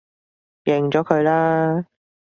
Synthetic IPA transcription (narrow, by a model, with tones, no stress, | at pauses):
jɪ˨˩ŋt͡ʃɔː˨˥kʰɵ˨˧ɥlaː˥